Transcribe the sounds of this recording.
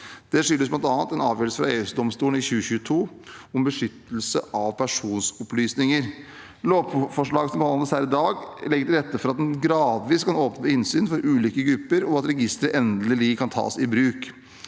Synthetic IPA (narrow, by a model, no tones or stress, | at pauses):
d̪̥ɛʂʏlːəsblɑnt̪ɑːnt̪ɛnɑːʋjøːɾəsəfɾɑeːʉsd̪ɔmst̪uːln̩ɪçʉːəçʉːət̪ʰuːɔmbəʂʏt̪ːəl̩səʔɑʋpʰæʂuːnsʊplyːsnɪŋəɾ | loːpfɔʂɭɑːɡsɔmbəhɑnəshæːɾɪd̪ɑːɡlɛɡət̪ɪlɾɛt̪ːəfɔɾɑt̪̚d̪ɛnɡɾɑːd̪ʋiːskʰɑnoːpnəpɪnsyːnfɔɾʔʉːliːkəɡɾʉpːəɾɔɑt̪ɾɛɡɪst̪əɾəʔɛnd̪lɪlɪkʰɑnt̪ʰɑ̰ːsɪbɾʉːk